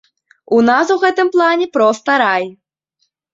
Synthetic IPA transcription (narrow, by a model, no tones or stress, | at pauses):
unas̬uɣɛt̪ɨmplˠanʲɛpɾɔst̪ɐɾaj